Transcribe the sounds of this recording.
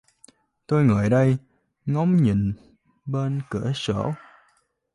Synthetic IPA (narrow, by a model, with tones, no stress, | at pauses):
t̪o˧jŋəː˨˩jɗə˧j | ŋɔ˨˦wŋ͡mɲḭ˨n | ɓe˧nkɨ̰˧˩əsə̰˧˩˥